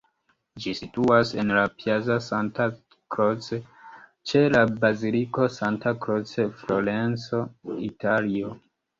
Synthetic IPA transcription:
d͡ʒisituase̞nlapiazasanta | kɾot͡se | t͡ʃe̞labaziliko̞santakɾot͡sefloɾent͡so̞italio

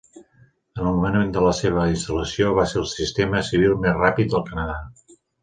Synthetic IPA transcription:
ənəlˠmumənəend̪ələseβ̞əinst̪ələsioβ̞aselˠsist̪eməsiβ̞ilˠmezrapit̪̚d̪əlˠkənəða

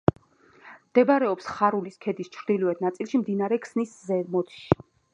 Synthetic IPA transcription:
md̪̥ɛbaɾɛɔpsχaɾuliskʰɛd̪ist͡ʃʰɾd̪̥ilɔɛt̪̚ʰnat̪sʼilˠʃimd̪inaɾɛkʰsniszɛmɔd̪ʃi

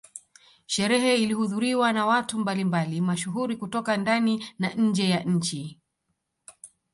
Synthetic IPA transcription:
ʃɛɾɛɦɛilihuðuɾiwanawatumbalimbalimaʃuɦuɾikutɔkandaninaɲ̩d͡ʒɛjaʔɲ̩t͡ʃi

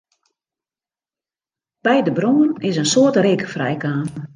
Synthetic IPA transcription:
b̥ɛjdəbronənɪsənsoətrɪkəfrɛ̰jkaːm

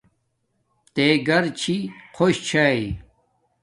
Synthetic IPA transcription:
t̪eɡɐɾt͡ɕʰiqʰoɕt͡ɕʰai

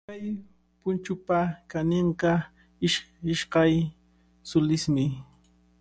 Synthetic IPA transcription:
kaj | pʊnt͡ʃʊpakanɪɴqɑ | ɪʃɪʃqɑj | sʊlɪsmɪ

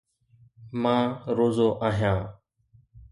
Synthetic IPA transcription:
mãːɾoːzoːʔaːɦjãː

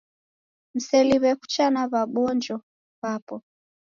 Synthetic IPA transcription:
m̩sɛliβɛku̥t͡ʃanaβaɓɔnd͡ʒɔ | βapɔ

